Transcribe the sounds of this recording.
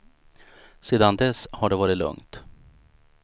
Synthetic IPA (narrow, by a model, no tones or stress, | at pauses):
seːd̪and̪ɛshaɖɛvɑːɾɪt̪lɵ̰ŋt̪